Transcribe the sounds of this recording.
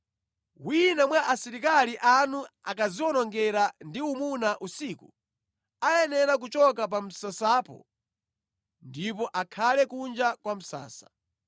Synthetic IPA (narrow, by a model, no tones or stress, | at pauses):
winamwaʔasiɾikaliʔanua̰kaziɔnɔŋɡɛɾandiumunaʔusiːku | ajɛnɛɾak̬ut͡ʃɔkap̬am̩sasaːpɔ̰ | ndipɔʔakʰalɛkund͡ʒakwam̩sa̰ːsḁ